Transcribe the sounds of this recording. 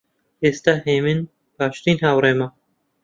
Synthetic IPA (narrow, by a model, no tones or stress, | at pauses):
eːst̪aːheːmɪn | paːʃt̪iːnhawɾeːma